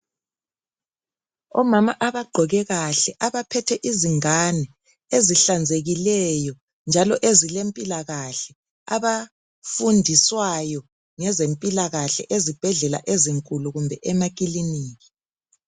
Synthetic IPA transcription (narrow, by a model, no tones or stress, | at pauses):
ɔmamaʔaβaɡ͡ǃʱɔɣɛɣaɬɛʔaβapʰɛtʰɛʔiziŋanɛ | eziɬand͡zʱeɣilɛjɔ | nd͡ʒʱalɔʔezilempʼilaɣaɬɛ | a̰βa | fundʱiswajɔ | ŋɛzempʼilaɣaɬɛ̰ʔezib̥ʱɛɮɛla̰ʔeziŋkʼuluɣumbʱɛʔɛmak̬ʼiliniːɣi̥